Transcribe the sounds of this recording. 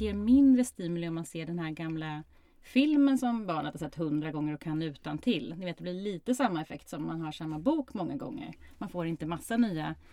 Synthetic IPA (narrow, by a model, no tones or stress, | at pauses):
eːɾmɪnd̪ɾəst̪iːmʉlɪɔmːanseːɖɛnhæːɾɡamla | fɪlmənsɔmbɑːɳət̪hasɛt̪ːhɵnd̪ɾaɡɔŋːəɾɔkʰanːʉ̟ːt̪ant̪ʰɪlnɪveːt̪d̪ɛblɪɭiːt̪əsamːaɛfɛkt̪sɔmːanɦaʂamːabuːkmɔŋːaɡɔ̰ŋːə̰ɾmanfoːɾɪnt̪əmasːanyːa